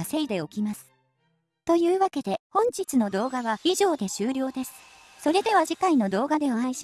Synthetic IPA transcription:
ase̞id̪e̞o̞kʲimasɨ̥ | t̪o̞jɯ̟ːβake̞d̪e̞hõ̞ɲ̟d͡ʑit͡sɨno̞d̪o̞ːɡaβaiʑo̞ːd̪e̞ɕɨːɾʲo̞ːd̪e̞sɨ̥ | so̞ɾe̞d̪e̞βaʑikaino̞d̪o̞ːɡad̪e̞oaiɕi̥

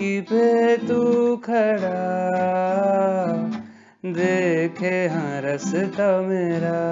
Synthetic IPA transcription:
kipet̪ukʰɐɽa | d̪eːkʰeɦãːɾɐst̪ameːɾaː

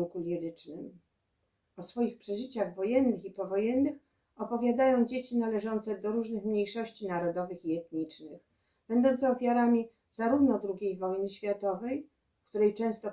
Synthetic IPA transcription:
kulʲiɾɘt͡ʂnɘm | ɔsfɔjixpʂɛʐɘt͡ɕaɣvɔjɛnːɘxipɔvɔjɛnːɘx | ɔpɔvʲjad̪ajɔ̃w̃d͡ʑet͡ɕinalɛʐɔnt̪sɛd̪ɔɾuʐnɘxmɲejʂɔɕt͡ɕinaɾɔd̪ɔvɘxiɛt̪ɲit͡ʂnɘx | b̥ɛnd̪ɔ̃nt̪sɛɔfʲjaɾamʲi | z̥aɾuvnɔd̪ɾuɡʲejvɔjnɘɕfʲjat̪ɔvɛj | fkt̪uɾɛjt͡ʂɛ̃w̃st̪ɔ

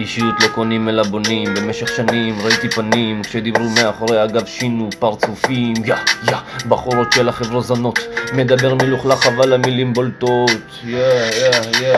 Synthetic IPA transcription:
iʃijut̪lo̞konimelabonimbemeʃe̞χʃanimʁait̪ipanimkʃed̪ibʁumeaχoʁeaɡavʃinupaʁt͡sufimjajabaχuɾo̞t̪ʃelaχevʁozano̞t̪me̞d̪abe̞ʁmiluχlaχavalamilimbolt̪ot̪jajaja

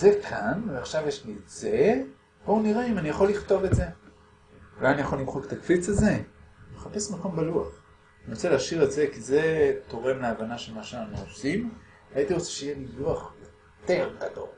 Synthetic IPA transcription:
zekʰanveaχʃavjeʃliz̥e | b̥ouniʁeimanijaχoliχt̪o̞vetze̞ | ulajanijaχo̞limχoket̪akfit͡saze̞meχapesmako̞mbaluaχ | aniʁot͡seleaʃiʁeze̞kizet̪o̞ʁe̞mleavanaʃelmaʃeanaχnuosim | ajit̪iʁo̞t͡seʃeijeliluaχjo̞ | t̪e̞ʁɡ̥ado̰l

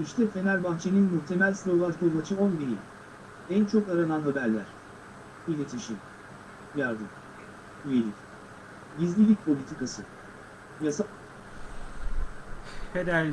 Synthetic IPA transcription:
iʃt̪ʰɛfe̞nælʲbant͡ʃʰe̞ninmuht̪ʰe̞mælʲslʲo̞vˠat͡ʃd̪olˠmat͡ʃʰɯo̞nbiɾḭ | ænt͡ʃʰo̞kaɾananɦabæɾlʲæɾ̥ | bilʲe̞t̪ʰiʃim | jaɾd̪ɯm | yjelʲic | ɟizlʲilʲic̚pʰo̞lʲit̪ʰikasɯ | jasa | hed̪æɾ

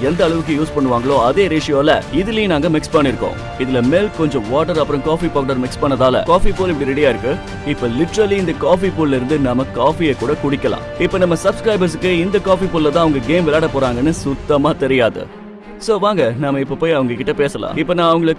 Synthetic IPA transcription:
ɛnd̪ɐːɭɐʋɯk̬ːɯjuːspɐɳːɯʋaːŋɡɐɭoːɐðeːɾeːʂɪjoːlɐɪðɪlɐj̃naːŋɡɐmɪkspɐɳːɪɾɯkːõ̰ː | ɪðɪlɐmeːlkɔɲd͡ʒɔ̃ʋaːʈɐɾɐpːɯɾɐ̃kaːfipoːkɐɽɐɾmɪkspɐɳːɐðaːlɐ̰kaːfipoːlɪp̬ːɐɽiɾɛɽɪjaːɪɾɯkːɯ | ɪpːoːlɪʈːɾɐliɪnd̪ɐkaːfipuːllɐɪɾɯnd̪ɯnɐmːɐkaːfijɐkːuːɽɐkʊɽɪkːɐlã̰ːɪpːoːnɐmːɐsɐbskɾɐɪbɐɾs̬ɯkːɯɪnd̪ɐkaːfipuːlːɐt̪̬ãːɐʋɐŋɡɐɡeːmʋɪlaːɽɐpoːɾaːŋɡɐnːɯsʊt̪ːɐmaːt̪ɛɾɪjaːðɯ̰ | soːʋaːŋɡɐnaːmːɐɪpːopoːjɐʋɐŋɡɐkɪʈːɐpeːsɐlã̰ːɪpːoːnãːɐʋɐŋɡɐɭɯkː

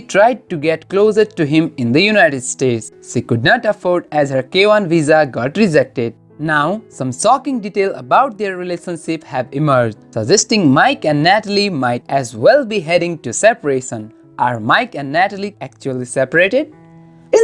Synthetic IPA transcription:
iʈʰɾaɪɖ̚ʈuɡɛʈkloːzəʈuɦɪ̃mɪ̃nd̪əjunaɪʈɪɖsʈeːʈs | ʃikʊɖ̚nɔʈəfɔːɾɖæzhəɾkeːʋãnʋizaɡɔʈɾid͡ʒɛk̚ʈɪɖ̚ | naʊsʌ̃msɔːkɪ̃ŋɖiʈeːləbaʊʈ̚d̪eɾːileʃə̃nʃɪphæʋɪməɾd͡ʒdsəd͡ʒɛsʈɪ̃ŋmaɪkɛ̃nɖnæʈəlimaɪʈɛzwɛlˠbiɦɛɾɪ̃ŋʈusɛpəɾeʃə̃n | ʔaɾmaɪkɛ̃nɖːæʈəliæk̚t͡ʃuəlisɛpəɾeːʈɪɖ

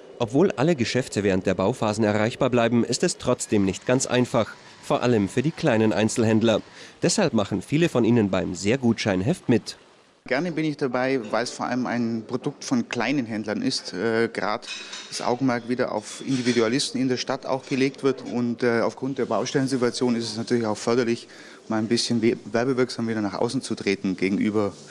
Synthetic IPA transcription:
ʔɔpv̥oːlʔa̰ləɡəʃɛftʰəvɛːʁ̞ənt̚d̥eːɐbaʊfaːzn̩ɛɐʁaɪçb̥aːblaɪbm̩ɪ̰stɛstʁ̥ɔt͡sd̥eːmnɪçtɡ̥ant͡sʔa̰ɪnfaχ | foːɐʔaləmfyːɐdiːkl̥aɪnənʔaɪnt͡sl̩ɦɛndlɐd̥ɛshalpmaχn̩fiːləfɔnʔiːnənbaɪmzeːɐɡuːtʃaɪnɦɛftmɪt | ɡ̥ɛɐnəbɪnɪçd̥abaɪvaɪlsfoːɐʔa̰ləma̰ɪnpʁ̥odʊk̚tfɔnkl̥aɪnənɦɛndlɐnʔɪstɛːɡ̥ʁa̰ːdd̥asʔa̰ʊɡŋ̩mɛɐk̚tv̥iːdɐʔa̰ʊfʔɪndividualɪstn̩ɪndeːɐʃtatʰa̰ʊxɡ̥əleːk̚tv̥ɪɐtʊntːaʊfɡ̥ʁʊnt̚d̥eːɐbaʊʃtɛlənzɪtuat͡sjoːnɪstɛsnatʰyːɐlɪçaʊxfœɐdɐlɪç | maːlanbɪsçənvɛɐbəvɪɐkz̥aːmviːdɐnaːχʔa̰ʊsn̩t͡sutʁ̥eːtn̩ɡeːɡŋ̩ʔyːbɐ

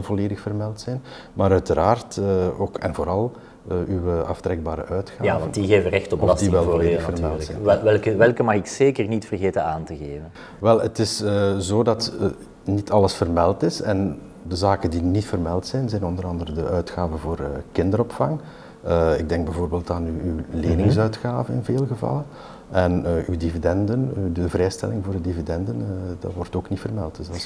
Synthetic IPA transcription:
lˠvoleːdəxfərmɛlˠtsɛjn | maːɾœɥtəɾaːrtəoːkɛ̰nvoːɾɑlˠ | ywəɑ̰ftɾɛɡ̚baːɾə̰ʔœɥtxaaːvndiɣeːvərɛxtɔpɔdiʋɛlˠvoleːdəxfərmɛlˠtsɛɛlˠkəʋɛlˠkəmɑxɪkseːkərnitfərɣeːtənaːntəɣeːvən | ʋɛlˠətɪsəzoːdɑt | nitʰɑləsfərmɛlˠtɪsɛn | dəzaːkəndinitfərmɛlˠtsɛjnzɛjnɔndəɾɑndəɾədəʔœɥtxaːvəvoːrəkɪndəɾɔpfɑŋ | əɪɡ̚dɛŋɡ̚bɛvoːrbeːlˠtaːnyyːleːnɪŋsœɥtxaːvənɪ̰nveːlˠɣəvɑ̰lˠə | ɛnəʔyːdividɛndəndəvrɛːjstɛ̰lɪŋvoːrədividɛndəndɑ̰twɔrtoːknitfərmɛ̰lˠtz

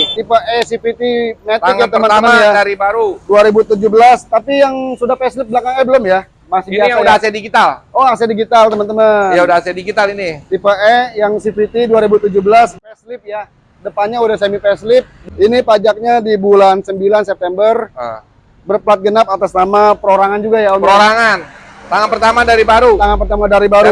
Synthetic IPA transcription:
t̪ipəʔɛsifit̪inet̪ɪjat̪əmənt̪aəmanjadaɾibaɾuduaɾibut̪ud͡ʒʊhbəlast̪apijaŋsudahpɛslɪp̚dəlakaŋɛbəlʊmja | masɪhbiaaaudaasɛdiɡit̪aloasɛdiɡit̪alt̪əmənt̪əmajaudahasɛdiɡit̪alinit̪ipəɛjaŋsifit̪iduaɾibut̪ud͡ʒuhbəlaspɛslɪp̚ja | dəpanɲaudahsemipɛslɪp̚inipad͡ʒak̚ɲadibulansəmbilansɛp̚t̪ɛmbər | bərpəlat̪̚ɡənap̚at̪aslamapəɾoɾaŋand͡ʒuɡajaunpəɾoɾaŋan | t̪aŋanpərt̪amadaɾibaɾut̪aŋanpərt̪amadaɾibaɾu

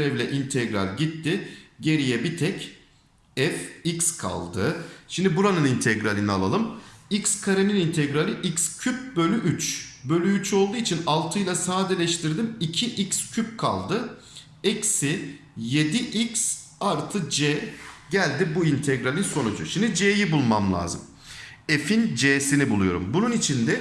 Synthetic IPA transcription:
ɾɛvlʲɛʔint̪ʰɛɡɾa̰lʲɟit̪ːɪɟe̞ɾijɛbit̪ʰɛc | ɛficskʰa̰lˠd̪ɯʃimd̪ibuɾanɯnint̪ʰɛɡɾalʲina̰lˠa̰lˠɯmicskʰaɾeninint̪ʰɛɡɾalʲiʔicscʰyp̚bø̞lʲyʔyt͡ʃbø̞lʲyyt͡ʃo̞lˠd̪uːit͡ʃʰinalˠt̪ʰɯjlˠasaːd̪ɛlʲɛʃt̪ʰiɾd̪imicʰiʔicscʰyp̚kʰa̰lˠd̪ɯ | ɛcsɪ | je̞d̪iʔics | aɾt̪ʰɯd͡ʒɛɟælʲd̪ibuint̪ʰɛɡɾalʲinso̞nud͡ʒʊ̰ʃimd̪id͡ʒejibulˠmamlʲˠa̰ːzɯm | efind͡ʒeːsinibulˠujo̞ɾṵmbununit͡ʃʰind̪ɛ

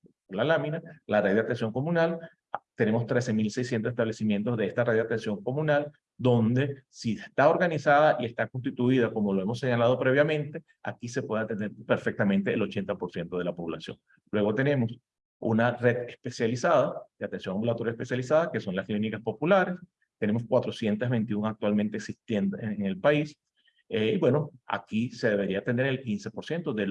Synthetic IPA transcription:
polalaminalared̪eat̪e̞nsjo̞ŋko̞mũnal | t̪e̞ne̞mo̞st̪ɾe̞se̞milsejsjent̪osest̪aβle̞simje̞nt̪ozðe̞est̪areðd̪eat̪ensjo̞ŋko̞mũnal | d̪o̞nd̪e̞sist̪ao̞ɾɣanisaðaʔie̞st̪akons̬t̪it̪uið̞ako̞mo̞loe̞mo̞sːe̞ɲalað̞o̞pɾe̞β̞jamẽ̞nt̪e̞ | a̰kise̞pwe̞ð̞eat̪end̪e̞ɾpe̞ɾfek̚t̪amẽnt̪e̞ʔːlo̞t͡ʃe̞nt̪apo̞ɾsje̞nt̪o̞ð̞e̞lapo̞βlasjo̞̰ŋ | lwe̞ɣo̞t̪e̞ne̞mo̞s | ṵnare̞ðespe̞sjalisað̞ad̪eat̪e̞nsjo̞ŋambulat̪o̞ɾjaespe̞sjalisaðake̞so̞ŋlasklinikaspo̞pulaɾe̞s | t̪e̞ne̞mo̞skwat̪ɾo̞sjent̪azβent̪iuŋak̚t̪walment̪eːksist̪je̞nd̪oŋelpais | iβwe̞no̞a̰kise̞ðe̞βe̞ɾiat̪e̞nd̪eɾe̞lkinse̞po̞ɾsje̞nt̪oðe

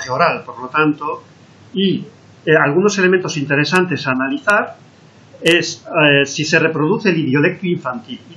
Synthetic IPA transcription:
eoɾalpoɾlo̞t̪ant̪o | i | alɣ̞uno̞sele̞mẽnt̪o̞sint̪e̞ɾe̞sant̪e̞saːnaliθaɾ | essise̞re̞pɾo̞ð̞uθe̞ːliðjo̞le̞k̚t̪uiɱfant̪il

